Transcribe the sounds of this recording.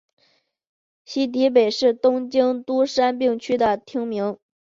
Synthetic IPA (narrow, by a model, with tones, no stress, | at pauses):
ɕi˥t̪̬i˧˥p̬e˨˩ɪʂɻ̩˥˩t̪ʊ˥ŋt͡ɕi˥ŋt̪u˥ʂa˥npi˥˧ŋt͡ɕʰy˥d̪ə˨t̪ʰi˥ŋmi˧˥ŋ